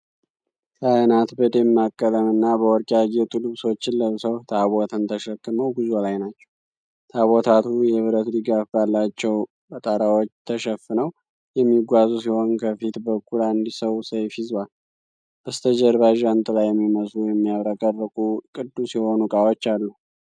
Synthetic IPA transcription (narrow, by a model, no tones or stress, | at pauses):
k̪ʰajnat̪bəd̪emːakʼːələmɨnːabəwɔɾkʼjaɡet̪ʼɨlɨβso̞t͡ʃːɪlːəwsəwt̪ʰaβot̪ʰɨnt̪ʰəʃəkːɨməwɡuzolajnat͡ʃːɛw | t̪ʰaβot̪ʰat̪ʰujɛβɨɾət̪d̪ɨɡafbalːat͡ʃːɛw | bət̪ʼaɾawot͡ʃːt̪ʰəʃɛfɨnəw | jɛmːiɡʷazusiho̞nkʰəfit̪bəkʼːuland̪isəwsəjfɪzwal | b̥əst̪ʰəd͡ʒɛɾbaʒant̪ʼɨlajːɛmːiməslujɛmːijaβɾakʼərːəkʼukʼɨd̪ːusiho̞nukʼawot͡ʃːalːu